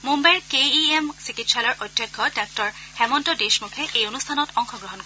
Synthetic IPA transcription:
mumbajɹkeiemsikitsalɔɹʔojdʱjɔkʰːɔdak̚tɔɹ | xɛmɔntɔdesmukʰɛʔejonustʰanɔtɔŋxɔɡɹɔɦɔnkɔ

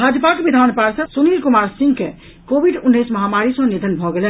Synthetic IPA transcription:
bʱad͡ʒəpakebid̪ʱanpaɾsəsunilkumaɾsiŋɡke | kobʱiɖunːəsməɦamaɾisə̃ned̪ʱənbʱɔɡelɛ

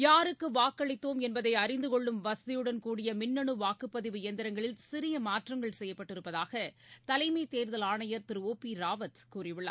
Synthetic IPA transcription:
jaːɾɯkːɯʋaːkːɐɭɪt̪ːoːmɛnbɐðɐɪɐɾɪnd̪ɯkɔɭːɯmʋɐsɐðɪjɯɽɐnkuːɽɪjɐmɪnːɐɳɯʋaːkːɯpːɐðɪʋɯjɛnd̪ɪɾɐŋɡɐɭɪlsɪɾɪjɐmaːʈrɐŋɡɐɭsɛjːɐpːɐʈːɪɾɯpːɐðaːɣɐt̪ɐlɐɪmɐɪt̪eːɾðɐlaːɳɐjɐɾt̪ɪɾɯoːpːiɾaːʋɐt̪kuːrɪʋɪɭːa̰ː

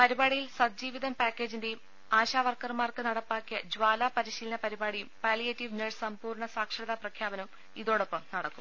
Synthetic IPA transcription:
pɐɾibaːɽijilsɐd͡ʑiːʋiðɐmpaːkʲːe̞ːd͡ʑinde̞jum | aːɕaːʋɐrkɐrmaːrkɨnɐɽɐpːaːkːijɐd͡ʑwaːlaːpɐɾiɕiːlɐnɐpɐɾibaːɽiumpaːlijɐtːiʋneɻsɐmpuːrɳɐsaːkʂɐðɐprɐkʰjaːbɐnɐum | iðo̞ːɽopːɐmnɐɽɐkːum

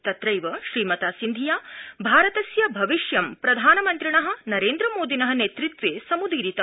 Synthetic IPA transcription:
t̪ɐt̪ɾɐjʋɐʃɾiːmɐt̪aːsind̪ʱijaːbʱaːɾɐt̪ɐsjɐbʱɐʋiʃjɐmpɾɐd̪ʱaːnɐmɐnt̪ɾiɳɐɦɐ̆nɐɾeːnd̪ɾɐmoːd̪ʱinɐɦɐ̆neːt̪ɾit̪ʋeːsɐmud̪ʱiːɾit̪ɐ

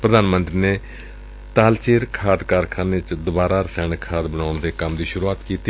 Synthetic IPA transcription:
pɾəd̪aːnmənt̪ɾiːneː | t̪aːlt͡ʃeːɾkʰaːd̪kaːɾkʰaːneːt͡ʃd̪ʊbaːɾaːɾəsɛ̃ːɳkʰaːd̪bəɳaːʊɳd̪eːkəmd̪iːʃʊɾuːaːt̪kiːt̪iː

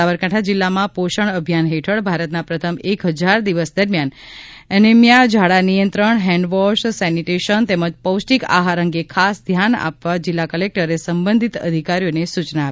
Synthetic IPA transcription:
aʋəɾkãʈʰad͡ʒilːamãpoʃəɳ̃əbʱijanɦeʈʰəɭbʱaɾət̪napɾət̪ʰəmekɦəd͡ʒaɾd̪iʋəsd̪əɾmjan | ənemjad͡ʒʱaɽanijə̃nt̪ɾəɳɦɛ̃ɳɖʋɔʃsɛniʈeʃənt̪eməd͡ʒpəwsʈika̰ɦaɾəŋɡekʰasd̪ʱjana̰pʋad͡ʒilːakəlek̚ʈəɾesəmbənd̪ʱit̪ə̰d̪ʱikaɾijonesut͡ʃnaːp

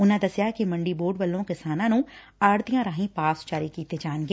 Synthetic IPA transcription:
ʊnãːd̪əsjakimɐ̃ɳɖiːboːɾɖʋəlːõːkɪsaːnãːnũː | aːɾt̪ɪjãːɾaːɦĩpaːsd͡ʒaːɾikiːt̪ed͡ʒaːnɡeː

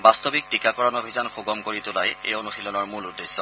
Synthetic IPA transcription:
bastobik̚tikakɔɹɔnobʱizanxoɡɔmkoɹitʊlajḛjonuxilɔnɔɹmuludːesːɔ

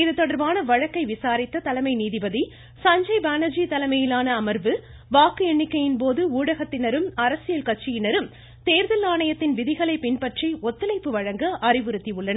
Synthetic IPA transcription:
ɪðɯt̪ːɔɽɐɾʋaːnɐʋɐɻɐkːɐɪʋɪsaːɾɪt̪ːɐt̪ɐlɐmɐɪniːðɪbɐði | sɐɲd͡ʒɐɪbaːnɐd͡ʒit̪ɐlɐmɐjɪlaːnɐːmɐɾʋɯ | ʋaːkɯɛɳːɪkːɐjɪnp̬oːðɯuːɽɐɣɐt̪ːɪnɐɾɯmɐɾɐsɪjɐlkɐʈ̚t͡ʃːɪjɪnɐɾɯm | t̪eːɾðɐlaːɳɐjɐt̪ːɪnʋɪðɪɣɐɭɐɪpɪnpɐʈriɔt̪ːɪlɐɪpːɯʋɐɻɐŋɡɐʔɐrɪʋɯɾɯt̪ːiɯɭːɐnɐ

